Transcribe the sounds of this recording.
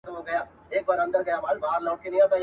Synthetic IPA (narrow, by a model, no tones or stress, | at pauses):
t̪ʋoɡɐjaː | eːk̚baːɾɐ̃nd̪əɾɡɐjaːbaːlbaɦəɾlɔ̃ːkinĩat̪a